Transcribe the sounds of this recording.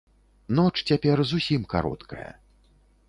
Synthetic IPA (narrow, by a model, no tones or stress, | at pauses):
nɔt͡ʂt͡sʲapʲɛrzusʲimka̰ɾɔ̰t̪kʰɐ̰jɐ̰